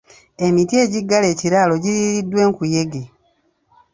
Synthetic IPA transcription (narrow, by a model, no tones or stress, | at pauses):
e̞mitie̞ːɟiɡːale̞ːciɾaːlo̞ɟiɾiɾidwe̞ːŋkuje̞ɡe